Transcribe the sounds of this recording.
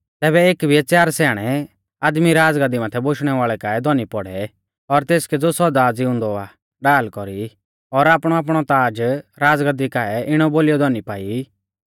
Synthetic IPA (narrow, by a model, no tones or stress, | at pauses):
t̪ɛːbɛeːkbʱiɛt͡sjaːɾsɛːɽ̃ɛ | aːd̪miɾaːd͡zɡəd̪imat̪ʰɛboʃɽ̃ɛʋaːɭɛkaːɛd̪ɔnipɔɽɛ | ɔɾt̪eːskɛd͡zosɔd̪aːd͡ziʊ̃ːnd̪ɔa | ɖaːlkɔɾi | ɔɾaːpɽ̃ɔaːp̬ɽ̃ɔt̪aːd͡ʒɾaːd͡zɡəd̪ikaɛʔɪɽ̃ɔboːlijɔd̪ɔnipaːi